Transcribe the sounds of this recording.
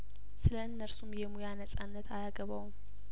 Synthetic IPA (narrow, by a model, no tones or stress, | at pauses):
sɨləɨnːəɾsumjɛmujanəsʼanːət̪ʰajaɡəβawm